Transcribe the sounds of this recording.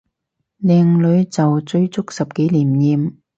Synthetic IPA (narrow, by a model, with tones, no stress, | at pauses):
lɛː˨˧ŋlɵ˨˧ɥt͡sɐ˨wt͡sɵ˧ɥt͡sʊ˥k̚sɐ˨p̚ke˨˥jliː˨˩mjiː˨˧m